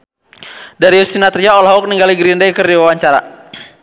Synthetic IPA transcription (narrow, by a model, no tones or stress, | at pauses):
daɾiɔst̪inat̪riaɔlaɦɔk̚niŋɡaliɡɾindajkərdiwawaɲt͡ʃaɾa̰